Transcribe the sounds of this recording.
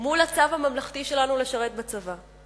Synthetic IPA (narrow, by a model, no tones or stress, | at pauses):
mulat͡savhamamlaχt̪iʃe̞lanuleʃaʁe̞t̪̚bat͡sava